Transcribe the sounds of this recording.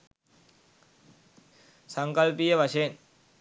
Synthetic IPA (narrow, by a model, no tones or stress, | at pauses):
sɐŋkɐlpijəʋɐʂeːn